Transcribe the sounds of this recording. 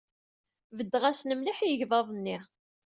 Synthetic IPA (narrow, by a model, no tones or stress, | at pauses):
vəd̪ːʁæsnəmliħjəʝðˤɑðˤnːiʁ